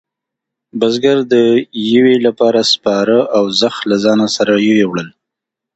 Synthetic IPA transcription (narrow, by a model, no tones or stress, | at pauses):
bazɡaɾd̪əjɪwelapɑɾaspɑɾəʔawzaxlazɑnasaɾajɪwewɽəl